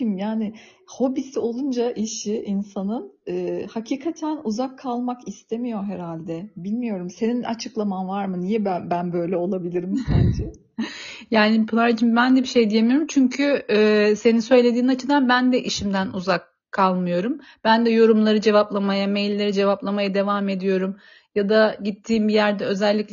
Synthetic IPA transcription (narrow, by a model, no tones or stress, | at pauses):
imjaːnɪho̞bisio̞lˠund͡ʒaʔiʃiinsanɯnɯːhacʰiːkʰat̪ʰænuzakʰːalˠmakist̪ʰe̞mijo̞ɦeɾalʲd̪ɛbilʲmijo̞ɾumse̞nina̰t͡ʃʰɯklˠamanvaɾmɯnijɛbbænbø̞jlʲɛo̞lˠabilʲiɾimsænd͡ʒʰɪ | jaːnipʰlˠaɾd͡ʒimbænd̪ɛbiʃe̞jd̪ijemijo̞ɾumt͡ʃʰyɲcʰyːse̞ninsø̞jlʲe̞d̪iːnnat͡ʃʰɯd̪anbænd̪ɛʔiʃimd̪ænuzakʰːalˠmɯjo̞ɾum | b̥ænd̪ɛjo̞ɾumlˠaɾɯd͡ʒe̞vaplˠamajamejlʲːe̞ɾid͡ʒe̞vaplˠamajad̪e̞vame̞d̪ijo̞ɾum | jad̪aɟit̪ʰːiːmbijæɾd̪ɛø̞zɛlʲːicl